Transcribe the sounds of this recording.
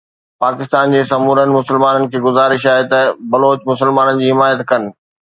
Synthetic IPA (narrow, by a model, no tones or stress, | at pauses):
paːkɪst̪aːnd͡ʑeːsɐmuːɾənɪ̆mʊsəlmaːnənɪ̆kʰeːɡʊzaːɾɪʃaːɦet̪ɐbɐloːt͡ɕmʊsəlmaːnənɪ̆d͡ʑiːɦɪmaːjət̪kɐnɪ̆